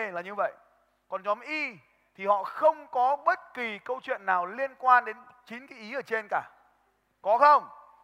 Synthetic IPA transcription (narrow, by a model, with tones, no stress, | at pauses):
laː˨˩ɲɨ˧və̰˧˨j | kɔ˨˩nɲɔ˨˦mʔi˧ | t̪ʰi˨˩hɔ̰˧˨xə˧wŋ͡mkɔ˨˦ɓə˦˥t̚ki˨˩kə˧wt͡ɕwḭ˧˨ənːaː˨˩wli˧ənkwaː˧nɗe˨˦n | t͡ɕi˨˦nka˨˦ʔi˨˦ʔəː˧˩t͡ɕe˧nkaː˧˩ | kɔ˨˦xə˧wŋ͡m